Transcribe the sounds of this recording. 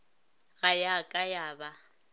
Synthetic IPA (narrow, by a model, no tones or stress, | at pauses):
ɣajakʼajaːba